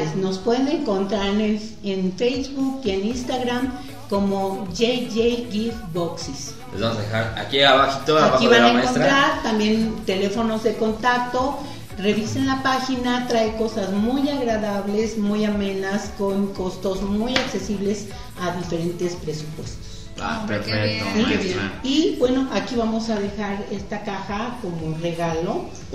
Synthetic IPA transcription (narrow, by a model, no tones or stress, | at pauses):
esno̞spweðeneŋko̞nt̪ɾaɾne | enfejzβukieninst̪aɣɾam | ko̞moʝejʝejɡifboksis | lezβamsaðḛxaɾa̰kiaβaki̥t̪oaakiβanaẽmkont̪ɾaɾt̪ambje̞nt̪e̞le̞fo̞no̞zðe̞ko̞nt̪ak̚t̪o̞ | re̞βisenlapaxinat̪ɾaeko̞sazmujaɣɾaðaβle̞zmujamẽ̞nasko̞ŋko̞st̪o̞zmujakse̞siβle̞s | aðife̞ɾe̞nt̪e̞spɾe̞su̥pwe̞st̪o̥s | a̰peɾfekt̪oiibwe̞no̞ʔakiβamo̞saðe̞xaɾest̪akaxako̞more̞ɣalo̞